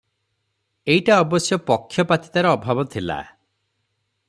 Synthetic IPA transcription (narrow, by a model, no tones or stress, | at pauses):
ejʈaɔbɔsjɔpɔkʰːjɔpat̪i̥t̪aɾɔɔbʱabɔt̪ʰila̰